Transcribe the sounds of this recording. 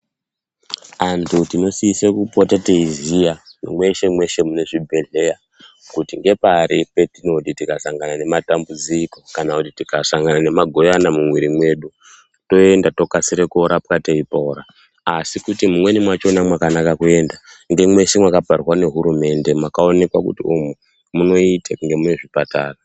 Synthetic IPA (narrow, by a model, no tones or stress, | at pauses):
antʰutino̞siisekupotateizijanmwe̞ʃe̞mwe̞ʃe̞mune̞ʐibʱe̞ɮe̞ja | kutiŋɡe̞paɾipe̞tino̞titikasaŋɡanane̞matambud͡ziko̞kanakutitikasaŋɡanane̞maɡʱo̞janamumwiɾimwe̞ɗu | to̞e̞ndato̞kasiɾekuoɾap̚kateipoɾaː | sikutimumwe̞nimwat͡ʃo̞namwakanakakue̞nda | ŋɡemwe̞ʃe̞mwakaparrwane̞ɦuɾume̞ndemwakao̞ne̞kwakṵtiumu | muno̞itakuŋɡe̞muneʐipataːra